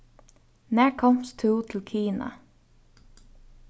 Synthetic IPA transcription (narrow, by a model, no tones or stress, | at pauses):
næːɹkʰɔmst̪ʰuːt̪ʰɪlkʰiːna̰